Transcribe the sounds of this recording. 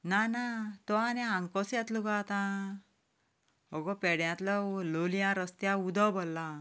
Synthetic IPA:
nanat̪ɔanɛãŋkɔsjãt̪luɡat̪ã | ɦɔɡɔpɛɽjãt̪lɔlolijãɾəst̪jaud̪ʱɔbɔlːa

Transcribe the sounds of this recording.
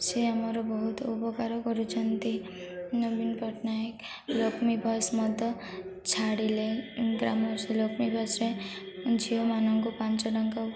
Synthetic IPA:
seamɔɾɔbɔɦut̪upɔkaɾɔkɔɾut͡ʃʰʌnt̪i | nobinpɔʈnaek | lokmibʱʌsmɔd̪ɔ | t͡ʃʰaɽileɡɾamɔselokmibʱʌsɾe | d͡ʒʱiɦomanɔŋkopant͡ʃɔlɔŋkɔ

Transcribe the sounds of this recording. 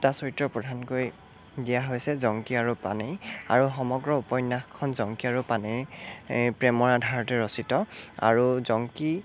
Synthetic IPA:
tasoɹitɹɔpɹɔdʱankoj | dijaɦojsɛzɔŋkiaɹupa̰nɛja̰ɹuxɔmɔɡɹɔupɔjnːaxkʰːɔnzɔŋkiaɹupaneɹ | pɹɛmɔɹadʱaɹɔtɛɹɔsitɔa̰ɹuzɔŋki

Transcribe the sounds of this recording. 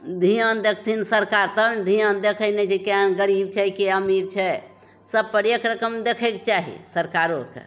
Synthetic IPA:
d̪ʱiənd̪ekʰt̪ʰinsəɾkaɾt̪əbnd̪ʱijənd̪ekʰəjnet͡ʃekənɡəɾib̚t͡ʃʰɛkeəmiɾt͡ʃʰɛ | səb̚pəɾjekɾəkəmd̪ekʰəket͡ʃaɦḭsəɾkaɾokḛ

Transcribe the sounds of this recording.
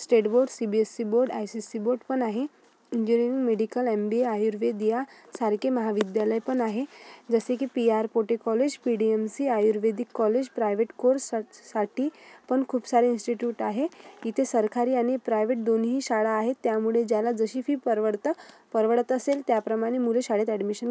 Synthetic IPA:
sʈeʈboɾɖsibiesːiboɾɖa̰jsisiboɾɖpəɳaɦe | iɲd͡ʑuɾiɾiŋɡmeɽikəlembieajuɾʋed̪ijasaɾkʰeməɦaʋid̪jaləjpəɳaɦed͡zəsekiːpiaɾpoʈekɔled͡ʑpiɽiemsiːajuɾʋed̪ikːɔled͡ʑpɾajʋeʈkoɾsaʈiːpəɳkʰuːpsaɾeinsʈiʈjuʈaɦeit̪ʰesəɾkʰaɾiːaɽ̃ipɾajʋeʈ̚d̪onɦiːɕaɭaːɦet̪ːjamuɭed͡ʑjalad͡zəɕiːfiːpəɾʋəɽt̪ə | pəɾʋəɽət̪əselt̪japɾəmaɽ̃emuleɕaɽet̪ɛɖmiɕən

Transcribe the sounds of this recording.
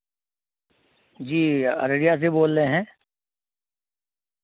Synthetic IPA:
d͡ʒiːɐ̰ɾeɽijas̬eboːlːeɦɛ̃ː

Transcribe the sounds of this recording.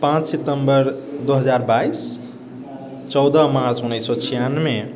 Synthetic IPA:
pãt͡ʃsit̪əmbəɾd̪oɦəd͡ʒaɾbais | t͡ʃɔwd̪ʱəmaɾt͡ʃunːəsːɔt͡ʃʰijanme

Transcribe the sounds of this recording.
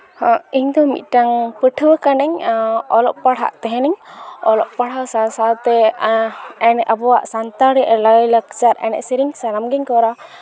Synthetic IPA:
iɲd̪ɔmḭt̪̚ˀʈaŋpəʈʰwəkanɛɲɔlɔʔpaɽɦa̰ʔt̪ɛɦɛnɛɲɔlɔʔpaɽ̤awsasawt̪ɛ | ɛnɛʔabɔwaʔsant̪aɾɛʔləjləkt͡ʃaɾɛ̰nɛ̰ʔsiɾiŋsaɾamɡɛɲkɔɾa

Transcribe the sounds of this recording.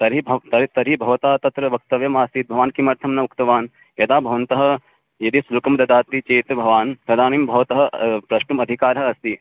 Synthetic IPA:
t̪ɐɾibʱɐt̪ɐɾt̪ɐɾibʱɐʋɐt̪aːt̪ɐt̪ɾɐʋɐk̚t̪ɐʋjɐmaːst̪iːt̪̚bʱɐʋaːnkimɐɾt̪ʰɐmnɐukt̪ɐʋaːn | jɐd̪aːbʱɐʋɐnt̪ɐɦɐ̆ | jɐd̪islukɐmd̪ɐd̪aːt̪it͡ʃeːt̪bʱɐʋaːnpɾɐd̪ʱaːniːmbʱɐʋɐt̪ɐɦɐ̆pɾɐʃʈumɐd̪ʱikaːɾɦɐɐst̪i

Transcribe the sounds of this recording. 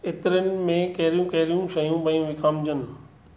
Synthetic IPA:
ɪt̪ɪɾənɪ̆mẽkɐɦɾijũkɐɦɪɾijũʃɐjũbɐ̃ũʋɪkʰaːmd͡ʑənɪ̆

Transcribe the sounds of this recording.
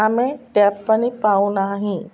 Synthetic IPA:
amẽʈɛːpːənipaːũnaɦĩ

